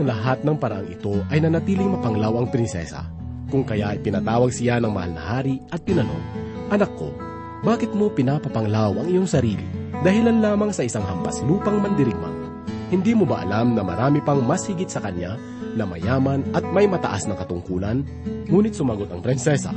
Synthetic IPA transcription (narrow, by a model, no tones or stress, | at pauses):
ʔɐŋlɐɦat̪̚nɐŋpɐɾɐʔaŋɪ̰t̪o̞ʔɐjnɐnɐt̪iːlɪŋmɐpɐŋlawɐŋpɾɪnsɛ̰sɐ̰ | kʊŋkɐjaʔɪpɪnɐt̪aːwɐɡ̚sɪjanɐŋmɐ̰ha̰lnɐ̰haːɾiʔɐt̪̚pɪnɐno̞̰ŋ | ʔɐnɐkːo̞̰ | baːkɪt̪̚mo̞pɪnapɐpɐŋlawʔɐŋɪjoŋsɐɾiːlḭd̪ɐhɪlanlaːmɐŋsɐʔɪsaŋɦɐmpɐ̰sluːpɐŋmɐnd̪ɪɾɪɡ̚ma̰ŋ | hɪnd̪imobaʔɐ̰lamnɐmɐ̰ɾaːmipɐŋmashɪɡɪt̪̚sɐkɐnɲa | nɐmɐ̰jaːmɐnʔɐt̪̚mɐjmɐt̪ɐ̰ʔasnɐkɐt̪ʊŋkuːlɐn | ŋuːnɪt̪̚sʊmɐɡo̞t̪ɐŋpɾɪnsɛsa̰